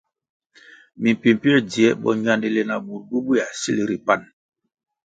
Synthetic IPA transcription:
mi˨m˨pi˨m˨pi˦ɛ˦di˨ɛ˦ɓɔ̰˨ɲ˦a˦ndi˦˨le˨na˨bu˨ɾbu˦bu˦ja˨si˦li˨ɾi˨pa˦˨n

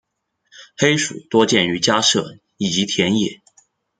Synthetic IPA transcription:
xe˥ɪʂṵ˨˩t̪wɔ˥t͡ɕjɛ˥˩ny˧˥t͡ɕja˥ʂɤ˥˩ | i˨˩t͡ɕi˧˥t̪ʰjɛ˧˥njɛ̰˨˩˦

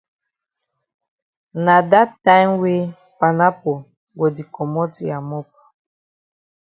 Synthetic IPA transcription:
na˨da˦tːã˦jmwe˦ | pa˨na˦po˨ | ɡɔ˨di˨kɔ˨mɔ˦ti˨a˨mɔ˦p̚

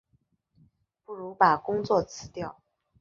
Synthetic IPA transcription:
pu˥˩ɻu˧˥pa˨˩kʊ˥ŋt͡swɔ˥˩t͡sʰɹ̩˧˥t̪jɑ˥˩ʊ

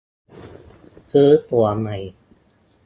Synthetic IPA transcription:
kʰɯː˦˥t̪u˨˩ɐəma˨˩j

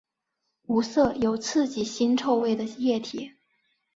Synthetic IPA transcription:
u˧˥sɤ˥˩jo˨˩ʊt͡sʰɹ̩˥˩t͡ɕi˨˩ɕi˥nʈ͡ʂʰo˥˧ʊwe˥˩ɪd̪ə˩jɛ˥˩t̪ʰi˨˩˦

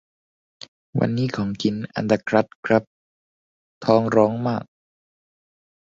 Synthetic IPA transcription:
wa̰˧nːiː˦˥kʰɔː˩˦ŋkʰi˩˦nʔa̰˧nd̪a˧kʰɾa˦˥t̪̚kʰɾa˦˥p̚ | t̪ʰɔː˧ŋɾɔː˦˥ŋmaː˥˩k̚

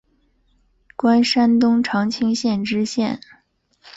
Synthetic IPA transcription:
kwa˥nʂa˥nt̪ʊ˥ŋʈ͡ʂʰɑ˧˥ŋt͡ɕʰi˥ŋɕjɛ˥˩nʈ͡ʂɻ̩˥ɕjɛ̰˥˩n

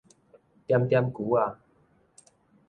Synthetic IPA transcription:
t̪ja˧mt̪ja˦˧mku˨˦a˨˧

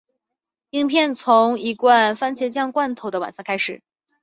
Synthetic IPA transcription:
i˥ŋpʰjɛ˥˩nt͡sʰʊ˧˥ŋi˧˥kwa˥˧nfa˥nt͡ɕʰjɛ˧˥t͡ɕjɑ˥˧ŋkwa˥˩nt̪ʰo˨˧˥ʊd̪ə˧wa̰˨˩nsa˥˩kʰa˥ɪʂɻ̩˨˩˦

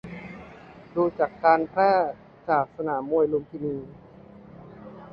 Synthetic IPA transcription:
duː˧t͡ɕa˨˩kːaː˧npʰɾɛː˥˩ | t͡ɕaː˨˩k̚sa˧naː˩˦mːu˧əjlu˧mt̪ʰiː˧niː˧

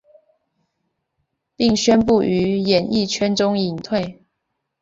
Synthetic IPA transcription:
pi˥˨ŋɕɥɛ˦np̬u˥˩y˧˦jɛ˨˩ni˥˩t͡ɕʰɥɛ˥nʈ͡ʂʊ˥ŋi˨˩ŋt̪ʰwe˥˨ɪ

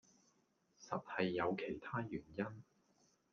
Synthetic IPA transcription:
sɐ˨t̚hɐ˨jːɐ˨˧wkʰe˨˩jt̪ʰaː˥jyː˨˩njɐ˥n

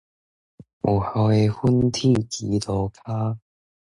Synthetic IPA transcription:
ʔɔ˨˩hɔ˨˧e˧hu˥nt̪ʰi˥˩t͡ɕiː˨˦t̪ɔ˧kʰaː˥

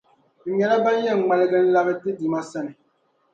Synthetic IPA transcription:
ɲɛ˨na˦ba˦n˦jɛ˦˨ŋ˨ŋ͡ma˨lɛ˦ɡɛ˦n̩˦la˦bɛ˦ti˦di˨ma˦sɛ˦ni˨

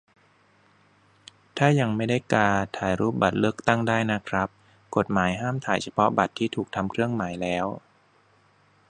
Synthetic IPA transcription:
t̪ʰaː˥˩ja˧ŋma˥˩jda˥˩jkaː˧t̪ʰaː˩˦jɾuː˦˥˩p̚ba˨˩t̪̚lɯ˥˩ək̚t̪a˥˩ŋdaː˥˩jna˦˥kʰɾa˦˥p̚ | ko˨˩t̪̚maː˩˦jɦaː˥˩mt̪ʰaː˨˩˦jt͡ɕʰa˧pʰɔ˦˥ba˨˩t̪ʰːiː˥˩t̪ʰuː˨˩k̚t̪ʰa˧mkʰɾɯ˥˩əŋmaː˩˦jlɛː˦˥w

